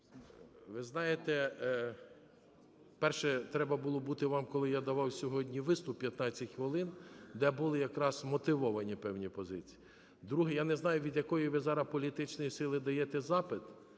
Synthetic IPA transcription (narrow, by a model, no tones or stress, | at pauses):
ʋɪznɑjet̪ɛ | pɛrʃɛt̪ɾɛbɐbulˠɔbut̪ɪʋɑmkɔlˠɪjad̪ɐʋɑwsʲɔɦɔdʲnʲiʋɪst̪ʊpʲːjɐt̪nɑt͡sʲːɐtʲxʋɪlˠɪnd̪ɛbulˠɪjɐkɾɑzmɔt̪ɪʋɔʋɐnʲipɛwnʲipɔzɪt͡sʲi̥i | d̪ɾuɦɛjanɛznɑjʊʋʲid̪ʲjɐkɔjiʋɪzɑɾɐpɔlʲit̪ɪt͡ʃnɔjisɪlˠɪd̪ɐjɛt̪ɛzɑpɪt̪